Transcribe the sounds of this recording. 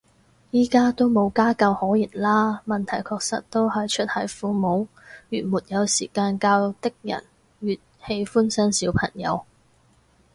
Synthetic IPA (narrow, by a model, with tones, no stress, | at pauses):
jiː˥kaː˥t̪o˥wmo˨˧wkaː˥kɐ˧whɔː˨˥jiː˨˩nlaː˥mɐ˨nt̪ʰɐ˨˩jkʰɔː˧k̚sɐ̰˨t̚t̪ːo˥whɐ˨jt͡ʃʰɵ˥t̚hɐ˨˥jfuː˧mo˨˧˥w | jyː˨˩nmuː˨˩t̚jɐ˨˧wsiː˨˩kaː˧nkaː˧w̚t̪ɪ˥k̚jɐ̰˨˩n | ɥyː˨t̚he˨˥jfuː˥nsɐ˥nsiː˨˥wpʰɐ˨˩ŋjɐ̰˨˧w